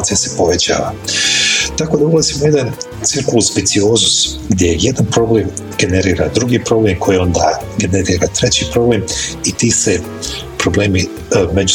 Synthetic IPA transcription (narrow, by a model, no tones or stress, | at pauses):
t̪sijase̞po̞ʋe̞t͡ɕa̰ːʋa̰ | t̪ako̞d̪aulˠazimouje̞d̪an | t̪siɾkuluzbit̪sio̞ːzus | ɡd̪ʲjejje̞d̪anpɾo̞ble̞ːmɡ̥e̞neɾiːɾad̪ɾuɡipɾo̞blemkʰo̞jio̞nd̪aɡe̞neɾiːɾat̪ɾe̞t͡ɕipɾo̞ble̞ːmit̪iːse | pɾo̞ble̞ːmi | me̞d͡ʑu